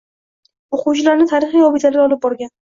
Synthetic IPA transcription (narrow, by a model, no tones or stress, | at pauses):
oqʊwt͡ʃlaɾnɪt̪ʰaɾɪχijɒbɪt̪ʰalaɾʲɒlˠɪp̚bɒɾɡʲan